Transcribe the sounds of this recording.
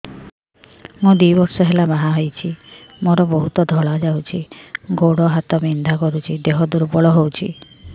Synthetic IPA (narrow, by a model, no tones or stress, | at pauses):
mũd̪ijbɔɾsɔɦelabaɦaɦojt͡ʃʰimoɾɔboɦut̪ɔd̪ʱɔɭad͡ʒawt͡ʃʰiɡoɽɔɦat̪ɔbind̪ʱakɔɾut͡ʃʰid̪eɦɔd̪uɾbɔɭɔɦowt͡ʃʰḭ